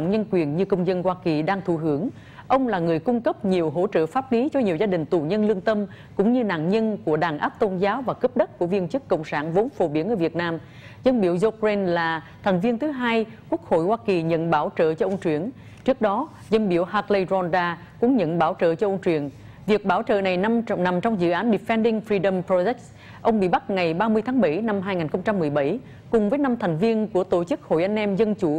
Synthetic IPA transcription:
ŋɲə˧nkwi˨˩ənɲɨ˧kə˧wŋ͡mzə˧nhwaː˧ki˨˩ɗaː˧ŋt̪ʰu˧˩ɦɨ˧˩əŋ | ʔə˧wŋ͡mlaː˨˩ŋɨ˨˩əjkʊ˧ŋ͡mkə˦˥p̚ɲi˨˩əwɦo̰˧˥t͡ɕə̰ː˧˨faː˦˥p̚li˨˦t͡ɕɔ˧ɲi˨˩əwzaː˧ɗï˨˩ŋ̟t̪u˨˩ɲə˧nlɨ˧əŋt̪ə˧m | kʊ̰˧˥ŋ͡mɲɨ˧na̰ː˧˨ŋɲə˧nku˧˩əɗaː˨˩nʔaː˦˥p̚t̪o˧nzaː˨˦wvaː˨˩kə˦˥p̚ɗə˦˥t̚kːu˧˩əvi˧ənt͡ɕɨ˦˥kːə̰˧˨wŋ͡msaː˧˩nvo˨˦nfo˨˩ɓi˧˩ənʔəː˧˩vi˨˩ət̚naː˧m | zə˧nɓḭ˧˩əwzo˧kɹe˧nlaː˨˩t̪ʰɛ˨˩ŋ̟vi˧ənt̪ʰɨ˨˦ɦaː˧j | ku˦˥ək̚ho̰˧˨jhwaː˧ki˨˩ɲə̰˧˨nɓaː˧˩wt͡ɕəː˧˨t͡ɕɔ˧ʔə˧ŋ͡mt͡ɕwi˧˩ən | t͡ɕɨ˦˥ək̚ɗɔ˨˦ | zə˧nɓi˧˩əwhaː˧˩k̚lə˧jzɔ˧nzaː˧ | kʊ̰˨˧˥ŋ͡mɲə̰˧˨nɓaː˧˩wt͡ɕə̰ː˧˨t͡ɕɔ˧ʔə˧wŋ͡mt͡ɕwi˨˩ən | vi˨˩ək̚ɓaː˧˩wt͡ɕə̰ː˧˨na˨˩jn˧na˨˩mt͡ɕɔ˧wŋ͡mzɨ̰˧˨ʔaː˨˦nɗi˨˩fɛ˧nɗï˧ŋfɾi˧ɗə˧mpɹo˧zɛ˦˥k | ʔə˧wŋ͡mɓḭ˧˨ɓa˦˥k̚ŋa˨˩jɓaː˧mɨ˧əjt̪ʰaː˨˦ŋɓə˧˩jna˧mɦaː˧jŋaː˨˩nxə˧wŋ͡mt͡ɕa˧mːɨ˨˩əjɓə˧˩j | kʊ˨˩ŋ͡mvəː˨˦jna˧mt̪ʰɛ˨˩jŋ̟vi˧ənku˧˩ət̪o˧˩t͡ɕɨ˦˥k̚ho̰˧˨jʔa˧ŋ̟ʔɛ˧mzə˧nt͡ɕu˧˩

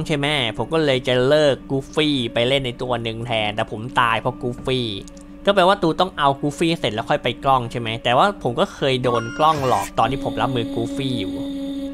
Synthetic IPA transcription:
ŋt͡ɕʰa˥˩jmɛ˦˥pʰo˩˦mkɔː˥˩lɤː˧jt͡ɕa˨˩lɤː˥˩kːuː˦˥fiː˥˩pa˧jle˥˩nːa˧jt̪u˧ɐnɯ˨˧ŋt̪ʰɛː˧nt̪ɛː˨˩pʰo˩˦mt̪aː˧jpʰɔ˦˥kuː˦˥fiː˥˩ | kɔː˥˩p̬e˧waː˥˩t̪uː˧t̪ɔ˥˩ŋʔa˧wkuː˦˥fiː˥˩se˨˩t̪̚lɛː˦˥wkʰɔ˥˩jpa˧jklɔ˥˩ŋt͡ɕʰa˥˩jma˦˥jt̪ɛː˨˩waː˥˩pʰo˩˦mkɔː˥˩kʰɤː˧jdoː˧nklɔ˥˩ŋlɔ̰ː˨˩k̚t̪ɔː˧nt̪ʰiː˥˩o˩˦mɾa˦˥p̚mɯː˧kuː˦˥fiː˥˩juː˨˩

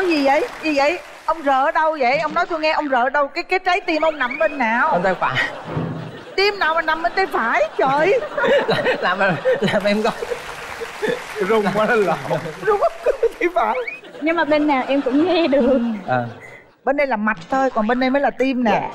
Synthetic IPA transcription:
kɔ˨˦jzi˨˩zə̰˧˨jzɨ˧˩ə̰˧˨j | ʔə˧wŋ͡mzə̰ː˧˨ɗə˧wzə̰˧˨jʔə˧wŋ͡mnɔ˨˦jt̪u˧jŋɛ˧ʔə˧wŋ͡mzəː˧˨˩ɗə˧wkaː˨˦jka˨˦jt͡ɕa˨˦jt̪i˧mʔə˧wŋ͡mna˨˩mɓe˧nːaː˨˩wə˧nt̪ə˨˧˩jfa̰ː˧˩j | t̪i˧mnaː˨˩wmaː˨˩na˨˩mɓe˧nt̪ə˨˦jfaː˧˩jt͡ɕəː˨˩jla˨laː˨˩mː˨˩laː˨˩mʔɛ˧mkɔ˨˦j | zʊ˧˨wa˨˦˧a˨˩zʊ˧˦ŋ͡mə˧˦kə˨˦t̪ːt̪ʰi˧vaː˧˨˩j | ɲɨ˧ŋmaː˨˩ɓe˧nːaː˨˩wʔɛ˧mkʊ̰˧˥ŋ͡mŋɛ˧ɗɨ˨˩əŋʔəː˨˩ | ɓe˧nɗə˧jlaː˨˩ma˨˩t̚t̪ʰo˧jkɔ˨˩nɓe˧nɗə˧jməː˨˦laː˨˩t̪i˧mna˨˩

